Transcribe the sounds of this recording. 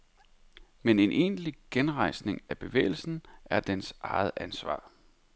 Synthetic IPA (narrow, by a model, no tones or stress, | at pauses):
mene̝nʔe̝̰ːnliɡ̥enʁɑ̈ɪ̰sne̝ŋæb̥e̝ʋḛːɪl̩sn̩æɐd̥ensʔɑ̈ɪð̞̩ˠænsʋɑ̰̈ː